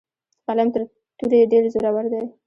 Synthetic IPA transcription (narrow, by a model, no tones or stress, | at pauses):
qalamt̪əɾ | t̪uɾeɖeɾzoɾawaɾd̪aj